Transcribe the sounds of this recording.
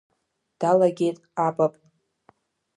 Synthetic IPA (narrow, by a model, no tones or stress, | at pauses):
d̥alaɡʲe̞jtʼabapʼ